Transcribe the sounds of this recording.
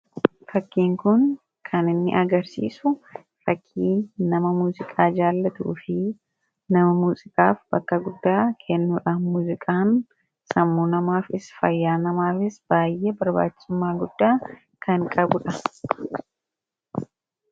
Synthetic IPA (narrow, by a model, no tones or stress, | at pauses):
fɐkːiːŋkʊn | kʰɐnɪnːɪ̰ʔɐɡɐɾsḭːsʊ | ɾɐkʰːiːnɐmɐmuːzɪkʼaːd͡ʒaːlːɐt̪ṵːfɪ | nɐmɐmuːzɪkʼaːfb̥ɐkːɐɡʊd̪ːaːkʰɛnːuːᶑamuːzɪkʼaːn | sɐmːuːnɐmaːfɪsfɐjːaːnɐmaːfɪsb̥aːjːʔɛbɐɾba̰ːt͡ʃːɪ̥sʊmːaːɡʊd̪ːaː | kʰɐŋkʼɐbʊᶑɐ